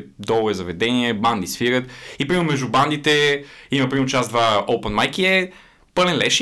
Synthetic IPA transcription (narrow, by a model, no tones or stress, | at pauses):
d̪ɔlˠɛzɐvɛd̪ɛniɛband̪isfiɾət̪ipɾimnmɛʒd̪uband̪it̪ɛimɐpɾimt͡ʃaszd̪vaopɛnmajkiɛ | pɤlɛnlɛʃ